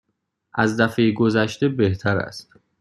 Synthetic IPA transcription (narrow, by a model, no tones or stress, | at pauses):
ʔæzd̪æfejɡozæʃt̪e̞beht̪ʰæɾæ̰st̪